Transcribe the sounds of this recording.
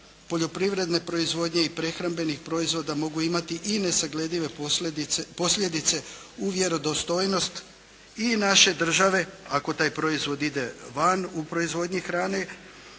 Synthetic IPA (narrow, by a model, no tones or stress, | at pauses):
po̞ʎo̞pɾiʋɾe̞d̪ne̞pɾo̞izʋo̞ːd̪ɲe̞ipɾe̞xɾambe̞nixpɾo̞izʋo̞d̪amo̞ɡuimat̪iʔine̞saɡle̞d̪iʋe̞ | po̞sʎʲe̞d̪it̪se̞ | uʋje̞ɾo̞d̪o̞st̪o̞ːjno̞st̪ | inaʃe̞d̪r̩ʒaʋe̞ako̞t̪aːjpɾo̞izʋo̞d̪id̪e̞ʋanupɾo̞izʋo̞d̪ɲixɾaːne̞